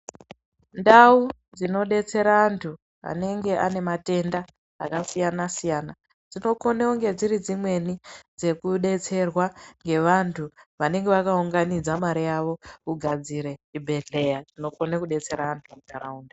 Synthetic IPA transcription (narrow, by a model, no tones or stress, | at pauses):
ndau | d͡zino̞ɗe̞t͡se̞ɾaantʰu | a̰ne̞ŋɡe̞ʔane̞mate̞nda | a̰kasijanasijana | d͡zino̞ko̞neoŋɡe̞d͡ziɾid͡zimwe̞nid͡ze̞kuɗe̞t͡se̞rwaŋɡe̞ʋantʰuʋane̞ŋɡe̞ʋakauŋɡanid͡zamaɾijaʋo̞uɡʱad͡ziɾe̞ibʱe̞ɮe̞jatino̞konekuɗe̞t͡se̞ɾaantʰumutaɾauːnde